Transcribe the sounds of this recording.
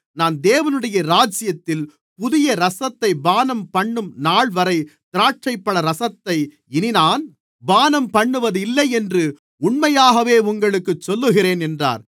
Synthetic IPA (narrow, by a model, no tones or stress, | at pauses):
naːnd̪eːʋɐnɯɽɐjɐɾaːd͡ʒɪjɐt̪ːɪl | pʊðɪjɐɾɐsɐt̪ːɐɪbaːnɐmpɐɳːɯmnaːɭʋɐɾɐɪt̪ɪɾaːʈ̚t͡ʃːɐɪpːɐɭɐɾɐsɐt̪ːɐɪ | ɪnɪnaːn | baːnɐmpɐɳːɯʋɐðɯɪlːɐɪɛndrɯ | ʊɳmɐjaːɣɐʋeːʊŋɡɐɭɯkːɯt͡ʃːɔlːɯɣɪɾeːnɛndra̰ːɾ